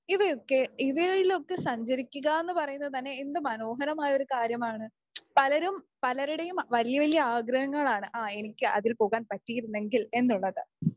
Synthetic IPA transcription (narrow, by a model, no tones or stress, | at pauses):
iʋɐjokːe̞iʋɐilo̞kːesɐɲd͡ʑɐɾikʲːuɣae̞nːɨpɐrɐjunːɐðɨt̪ɐnːe̞ːnd̪ɨmɐno̞ːɦɐnɐmaːjɐo̞ɾukaːɾjɐmaːɳɨ | pɐlɐɾum | pɐlɐɾuɽe̞jumʋɐlijɐʋɐlijɐaːɡɾɐhɐŋːɐɭaːɳɨʔaːe̞nikʲːɨʔɐ̰ðilpo̞ːɣaːnpɐtːijiɾunːe̞ŋɡile̞nːuɭːɐðɨ